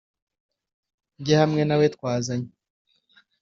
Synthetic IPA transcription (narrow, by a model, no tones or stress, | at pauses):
ɲɟehamŋe̞nawetkwaːzaɲe